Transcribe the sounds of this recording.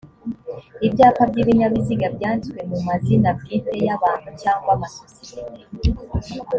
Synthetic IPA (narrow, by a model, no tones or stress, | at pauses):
ibjaːpabɟiβiɲaβiziɡabjaːndikwe̞mumazinabɡite̞jaβaːnhucaːŋɡwamasosijete